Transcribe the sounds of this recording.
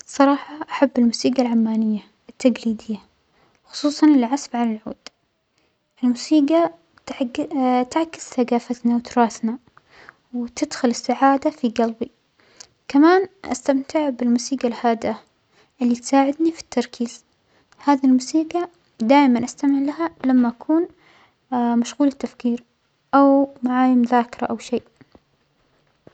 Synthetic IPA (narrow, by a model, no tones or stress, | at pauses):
sˤːɑɾˤɑːħɑʔaħabːɪlmuːsiːɡalʕamːaːnɪjːa | ʔɪt̪ʰːaɡliːd̪ɪjːa | xʊ̥sˤuːsˤɑnɪliʕasbʕalalʕṵːd̪̥ | ʔɪlmusiːɡa | t̪ʕt̪ɪʕkɪ̥sθaɡaːfat̪nawt̪ʊɾˤɑːθna | wt̪ɪd̪xʊlɪsːaʕaːd̪afiɡalbi | kamaːnʔa̰st̪amt̪ɪʕbɪlmusiːɡalhaːd̪ɪʔa | ʔɪlːit̪saːʕɪd̪nifi̥t̪ʰːɑɾˤkʰiːz | haːðilmuːsiːɡa | d̪aːʔmanʔast̪amɪʕlaɦalamːaʔakʰuːn | maʃɣuːlɪt̪ːafkiːɾ | ʔawmaʕaːjɪmðaːkɪɾˤa̰ʔawʃeːʔ